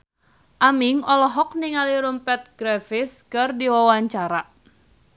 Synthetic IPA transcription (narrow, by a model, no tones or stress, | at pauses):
ʔamɪŋɔlɔɦɔk̚niŋaliɾumpɛt̪̚ɡ̥ɾɛfɪskɨrdiwawaɲt͡ʃaɾaʔ